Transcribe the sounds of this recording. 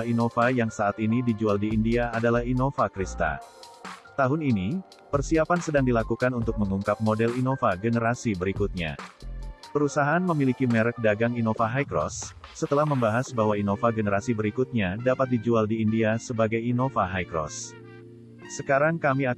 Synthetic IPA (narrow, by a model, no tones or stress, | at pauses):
inofajaŋsaːt̪inidid͡ʒualdiːndiaːdalahinofakɾist̪a̰ | t̪aɦʊnini | pərsiapansədaŋdilakukanunt̪ʊk̚məŋuŋkap̚modɛlinofaɡənəɾasibəɾikʊt̪̚ɲa̰ | pəɾusaɦaanməmilikimɛɾɛk̚daɡaŋinofaɦajkɾɔ̰sːət̪əlahməmbaɦasbaɦwainofaɡənəɾasibəɾikʊt̪̚ɲadapat̪̚did͡ʒualdiːndiasəbaɡajinofaɦajkɾɔ̰s | əkaɾaŋkamia